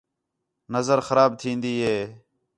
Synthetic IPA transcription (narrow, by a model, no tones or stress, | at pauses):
nəzəɾxəɾaːb̚t̪ʰĩːnd̪iːɦeː